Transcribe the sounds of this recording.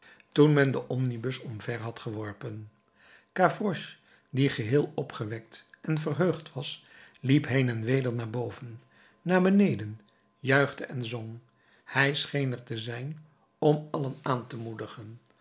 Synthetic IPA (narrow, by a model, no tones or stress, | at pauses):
tunmɛndəʔɔmnibɵsɔmvɛɹɦɑtχəʋɔɹpən | kaːfrɔʃ | diχəɦɪːlˠɔpχəʋɛk̚tʔɛnvərɦøɥχtʋɑs | lipɦejnɛnʋejdəɹnaːɹbowvənː | aːɹbənejdən | jœɥχdəʔɛnzɔŋ | hɛjsχejnəɹtəzɛjn | ɔmɑlənaːntəmudəχən